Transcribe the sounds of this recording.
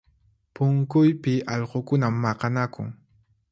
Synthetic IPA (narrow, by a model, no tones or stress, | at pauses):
pʊŋkʊjpɪʔɑʎɢokʊnamːɑqɑnakʊ̰ŋ